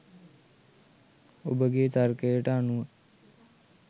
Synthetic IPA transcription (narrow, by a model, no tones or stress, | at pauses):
o̰bəɡeːt̪arkəjəʈəanuʋə